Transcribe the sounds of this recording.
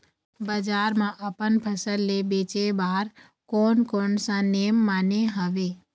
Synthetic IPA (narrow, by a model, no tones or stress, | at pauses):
bəd͡ʒaːɾmãʔəpənpʰəsəlːebeːt͡ʃebaːɾ | konkoɳsãneːmːaːneɦəʋe